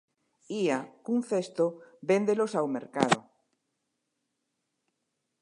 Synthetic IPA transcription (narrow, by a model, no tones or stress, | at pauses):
iakun̟θest̪obend̪elosawmḛɾka̰ðo̰